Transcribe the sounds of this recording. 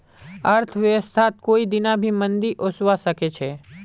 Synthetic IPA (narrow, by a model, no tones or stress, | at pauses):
əɾt̪ʰəʋjəʋəst̪ʰat̪̚koːid̪ɪnabʱimənd̪iʔosʋaʃəket͡ʃʰe